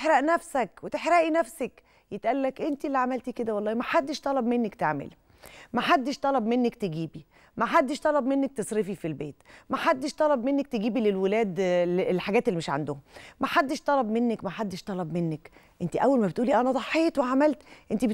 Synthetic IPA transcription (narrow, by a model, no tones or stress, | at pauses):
ħɾæʔnæfsækwet̪eħɾæʔinæfsæk | jet̪ʔælːækʔent̪ilːiʕamælt̪iked̪æwɑlˤːɑːhimæħad̪ːeʃt̪ˤɑlɑbmenːækt̪eʕmḛli | mæħad̪ːeʃt̪ˤɑlɑbmenːækt̪eɡiːbi | mæħad̪ːeʃt̪ˤɑlɑbmenːæk̚t̪esˤɾefifilbeːt̪mæħad̪ːeʃt̪ˤɑlɑbmenːæk̚t̪eɡiːbilelwelæːd̪llħaɡæːt̪elːimeʃʕa̰nd̪ʊhʊmæħad̪ːeʃt̪ˤɑlɑbmenːækmæħad̪ːeʃt̪ˤɑlɑbmenːæk | ʔent̪iʔæwːælmæbet̪ʔuːliʔænæd̪ˤɑħːeːt̪weʕamælt̪ʔent̪ib